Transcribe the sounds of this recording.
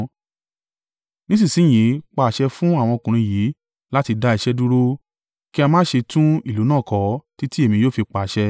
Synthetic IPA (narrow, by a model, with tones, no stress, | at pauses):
nĩ˦s̬ĩ˦˨sĩ˨˦j̃ĩ˨˦k͡pa˧˨ʃɛ˧fũ˦a˦˨w̃ɔ̃˧o˧kũ˨ɾ̃ĩ˧ji˨˦ | la˦ti˧da˧i˧ʃɛ˦du˦ɾo˦ | ki˦a˧mãː˦ʃe˧tũ˦i˦˨lu˨˦nãː˦˨kɔ˨˦ti˦ti˦e˦˨mĩ˧joː˦˨fi˧k͡pa˨ʃɛ˧